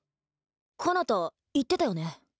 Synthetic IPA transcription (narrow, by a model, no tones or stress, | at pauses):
kʰonot̪o | it̪ːe̞t̪ajo̞ne